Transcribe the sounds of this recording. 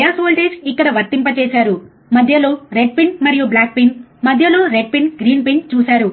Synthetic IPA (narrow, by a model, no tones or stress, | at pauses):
jaːsoːlʈeːd͡ʒikːɐɽɐʋɐɾt̪ːimpɐt͡ʃeːsaːɾu | mɐd̪ʱjɐlo̞ːɾeɖ̚piɳʈmɐɾijublaːk̚piɳʈmɐd̪ʱjɐlo̞ːɾeɖ̚piɳʈɡɾiːnpiɳʈt͡ʃuːsaːɾu